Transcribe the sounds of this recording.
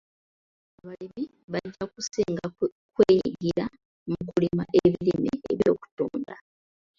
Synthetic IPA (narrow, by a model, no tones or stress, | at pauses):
aβalimi | βaɟːakuseːŋɡakweːɡiɾa | mukulimaʔeβilimeeβjo̞ːku̥toːnda